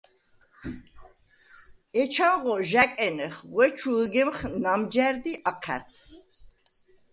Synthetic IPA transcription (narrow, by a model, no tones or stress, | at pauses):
ɛt͡ʃʰaʁɔʒakʼɛnɛχʁwɛt͡ʃʰulɡɛmχnamd͡ʒæɾd̪iʔaqʰæ̰ɾt̪ʰ